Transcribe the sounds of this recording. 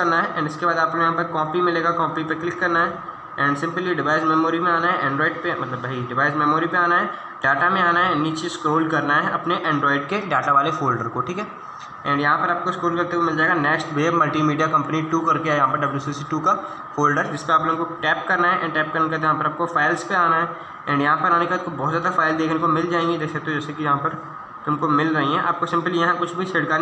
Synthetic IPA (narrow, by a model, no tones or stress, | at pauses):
ɐɾnaɦɛʔɛ̃ːɳɖɪskebaːd̪aːplojɐɦãpɐɾkɔːpimɪleːɡakɔːpipeklɪkːɐɾnaɦɛ | ɛ̃ːɳɖsɪ̃mpliɖɪʋaːɪsmɛːmoːɾimẽaːnaɦɛʔɛ̃ːɳɖɾɔːɪɖpemɐt̪ləbːʱɐiɖɪʋaːɪsmɛːmoːɾipeaːnaɦɛ | ɖaːʈamẽaːnaɦɛniːt͡ʃeskɾoːlkɐɾnaɦɛɐpneʔɛ̃ːɳɖɾɔːɪɖkeɖaːʈaʋaːlefoːlɖəɾkoʈʰiːkɦɛ | ɛ̃ːɳɖjɐɦãpɐɾaːp̚koɪskɾoːlkɐɾt̪ekomɪld͡ʒaːeːɡanɛːksʈʋeːbmɐlʈimiːɖijakɐ̃mpniʈuːkɐɾkeajɐɦãːpɐɾɖɐbljuːsisiʈuːka | foːlɖəɾd͡ʒɪspeaːploŋkoʈɛːp̚kɐɾnaɦɛʔɛ̃ɳʈɛːp̚kɐɾnkɐt̪ejɦãpɐɾaːp̚kofaːɪlspeaːnaɦɛː | ɛ̃ːɳɖjɐɦãpɐɾaːnekatkobɔːt̪zjaːd̪afaːɪld̪eːkʰnekomɪld͡ʒaːẽːŋɡid̪eːksɐkt̪ẽd͡ʒɛːsekijɐɦãpɐɾ | t̪ʊmkomɪlɾɐɦiɦɛ̃ʔa̰ːp̚kosɪ̃mpəlijɐɦãkʊt͡ʃʰbʱisɪɽka